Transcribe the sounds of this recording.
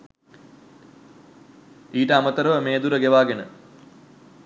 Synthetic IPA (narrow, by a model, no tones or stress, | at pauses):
iːʈəamət̪əɾəʋəmeːd̪uɾəɡeʋaːɡenə